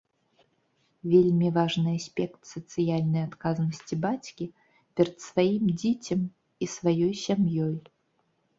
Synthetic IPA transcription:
vʲelʲmʲivaʐnɨasʲpʲɛkt̪sɐt̪sɨjalʲnɐjat̪kaznɐsʲt͡sʲibat͡sʲkʲi | pʲɛɾɐt̪svajimd͡zʲɛt͡sʲɐm | isvajɔjsʲamjɔj

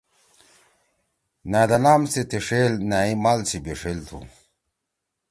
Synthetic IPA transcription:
naːd̪ɐnaːmsit̪eʂelnaimaːlsibeʂelt̪ʰṵ

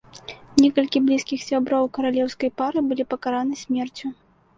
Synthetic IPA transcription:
nʲɛkɐlʲkʲiblʲiskʲixsʲabɾowkɐɾalʲɛwskɐjpaɾɨbɨlʲipɐkaɾanɨsʲmʲɛrt͡sʲu

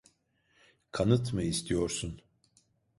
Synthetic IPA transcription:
kʰanɯt̪mɯist̪ʰijo̞ɾsun

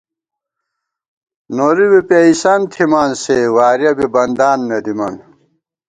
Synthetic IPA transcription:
noɾiwipeisɐnt̪ʰimaːnsewaːɾjɐbibɐnd̪aːnːed̪imɐn

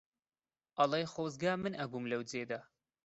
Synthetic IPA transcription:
ʔɐlˠejxoːzɡaːmɨnɐbuːmlɐwd͡zeːd̪a

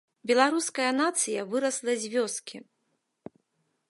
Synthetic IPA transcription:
bʲɛlˠaɾuskɐjɐnat̪sɨjɐvɨɾɐslˠɐzʲvʲɔskʲi

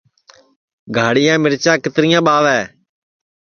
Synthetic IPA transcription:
ɡʱaːɽɪjãːmɪɾt͡ʃãːkɪt̪ɾɪjãːɓaːʋɛː

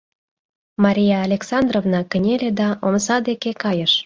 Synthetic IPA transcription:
mɑɾʲijɑːlʲeksɑnd̪rovnɑkə̆nʲeled̪ɑʔoməsɑd̪ekekɑjəʃ

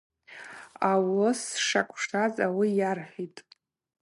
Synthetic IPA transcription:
awosʂakʷʼʰʂtʰazʼawijarħʲitʼ

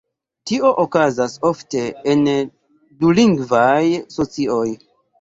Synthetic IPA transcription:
tio̞ʔokazasofte̞en | duliŋɡvajso̞t͡sio̞j

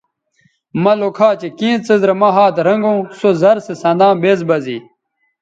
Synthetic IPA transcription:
mɐlokʰaːt͡ɕekĩːt͡sizɾɐmɐɦaːt̪ɾɐŋɡõːsozɐɾsesɐ̃nd̪ãːbeːzbɐzḭː

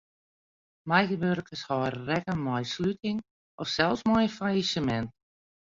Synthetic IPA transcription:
majɣəbørkəshɔːrrɛkəmɔjslytʰɪŋ | ʔɔfsɛlˠfsmɔjfajisəmɛnt

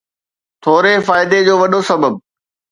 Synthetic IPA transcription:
t̪ʰoːɾefaːɪd̪ed͡ʑoːʋɐɗosɐbəb̚

